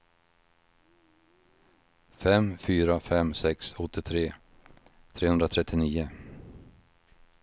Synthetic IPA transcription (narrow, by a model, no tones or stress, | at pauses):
fɛmfyːɾafɛmsɛksɔt̪ʰːɪt̪ʰɾeː | t̪ʰɾeːhɵnd̪ɾat̪ʰɾɛt̪ʰːɪniːʊ